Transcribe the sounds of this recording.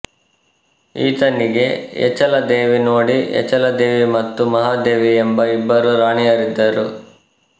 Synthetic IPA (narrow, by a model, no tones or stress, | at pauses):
ḭːt̪ɐnːiɡe̞ɛ̰t͡ʃɐlɐd̪eːʋinoːɽiɛ̰t͡ʃɐlɐd̪eːʋimɐt̪ːumɐɦaːd̪e̞ːʋiembɐibːɐɾuɾaːɳijɐɾid̪ːɐɾu